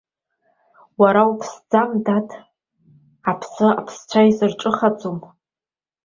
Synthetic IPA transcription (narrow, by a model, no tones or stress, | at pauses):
waɾaupʰsd͡zamdatʰ | apʰsɨa̰pʰst͡ʃʷʰajzɨrʈ͡ʂʼɨχat͡sʼum